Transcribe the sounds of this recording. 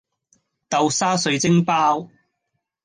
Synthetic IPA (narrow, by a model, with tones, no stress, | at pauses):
t̪ɐ˨˧wsaː˥sɵ˨˧ɥt͡sɪ˥ŋpaː˥w